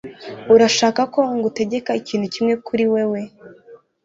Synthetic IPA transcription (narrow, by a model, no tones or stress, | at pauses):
uɾaʃaːkako̞ŋɡute̞ɟe̞kaiciːn̤̥hucimŋe̞kʰuɾiwe̞we̞